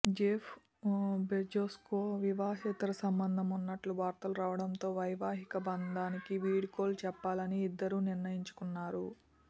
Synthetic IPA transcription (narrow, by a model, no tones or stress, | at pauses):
d͡ʒeːpʰ | bed͡ʒoːskoːʋiʋaːɦɛːt̪ɐɾɐsɐmbɐnd̪ʱɐmunːɐʈluʋaːɾt̪ɐluɾaːʋɐɽɐnt̪o̞ːʋɐjʋaːɦikɐbɐnd̪aːnikiʋiːɽiko̞ːlt͡ʃɛpːaːlɐniːd̪ːɐɾuːniɾnɐjiɲt͡ʃu̥kunːaːɾu